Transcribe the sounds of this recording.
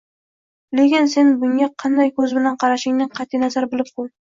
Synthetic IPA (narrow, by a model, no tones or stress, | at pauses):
lekʲɪnse̞nbʊŋʲaqʰɑnd̪ajkʰɵzbɪlanqʰɑɾaʃɪŋnɪqʰɑt̪ʰːijnazaɾbɪlɪp̚qʰʊl